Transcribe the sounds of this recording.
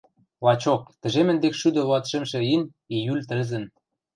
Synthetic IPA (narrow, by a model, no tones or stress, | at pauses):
lɑt͡ɕok̚t̪ɘ̆ʒemɘ̆nd̪ekʃyd̪ɤ̆βɑt̪ʃĕmʃĕin | ijylʲt̪ɘ̆zɘ̆n